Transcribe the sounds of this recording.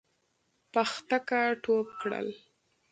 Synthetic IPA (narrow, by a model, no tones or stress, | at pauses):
paxt̪akaʈopkɽə̰l